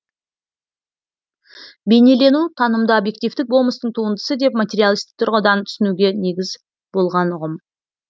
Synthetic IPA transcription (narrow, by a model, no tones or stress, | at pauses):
be̞jne̞le̞nut̪ʰɑnəmd̪əobje̞k̚t̪ijft̪ɪk̚bo̞lˠməst̪əɴt̪ʰuənd̪əsəd̪e̞p̚mat̪ʲe̞ɾijalˠist̪ɪk̚t̪ʰʊɾʁəd̪ɑnt̪ʰʏ̥sɪnuɡʲe̞neɡʲɪz | b̥o̞lˠʁɑnʊʁəm